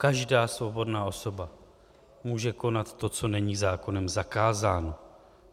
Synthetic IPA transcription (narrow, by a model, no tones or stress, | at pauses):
kaʒdaːsvo̞bo̞dnaːʔo̞so̞ba | muːʒɛko̞nat̪ːo̞t͡so̞nɛɲiːzaːko̞nɛmzakaːzaːno̞